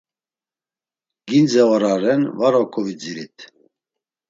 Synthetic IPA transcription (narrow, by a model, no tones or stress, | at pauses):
ɡind͡zɛvaɾaɾɛnvaɾɔkʰɔvid͡ziɾit̪ʰ